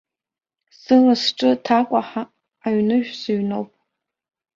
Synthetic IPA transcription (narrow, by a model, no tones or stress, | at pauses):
sɨlasʈ͡ʂʼɨtʰakʷʼaħaː | ɥnɨʒᶣsɨɥnowpʼ